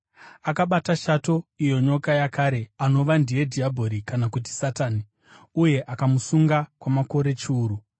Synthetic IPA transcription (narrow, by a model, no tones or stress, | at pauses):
akaɓataʃato̞ijo̞ɲo̞kajakaɾe̞ano̞ʋandije̞dʱiabʱo̞ɾikanakut̬i̥sataːni | uje̞ʔakamusuŋɡakwamako̞ɾe̞t͡ʃiuːɾu